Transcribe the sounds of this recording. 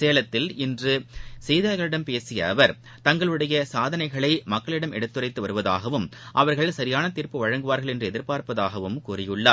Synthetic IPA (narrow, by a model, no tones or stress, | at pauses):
seːlɐt̪ːɪlɪndrɯsɛjðɐːɣɐɭɪɽɐmpeːsɪjɐʋɐɾ | t̪ɐŋɡɐɭɯɽɐjɐsaːðɐnɐɪɣɐɭɐɪmɐkːɐɭɪɽɐmɛɽɯt̪ːɯrɐɪt̪ːɯʋɐɾɯʋɐða̰ːɣɐʋɯmʔɐʋɐɾɣɐɭsɐɾɪjaːnɐt̪ɪɾpːɯʋɐɻɐŋɡɯʋaːɾɣɐɭɛndrɯɛðɪɾpaːɾpɐðaːɣɐʋɯmkuːrɪjɯɭːaːɾ